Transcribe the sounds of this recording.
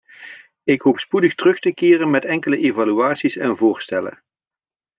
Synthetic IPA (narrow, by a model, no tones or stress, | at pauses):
ɪkɦopspudəxtərɵxtəkɪːrənmɛtɛŋkələʔevalyaːtsisɛnvʊːɹstɛlə̰n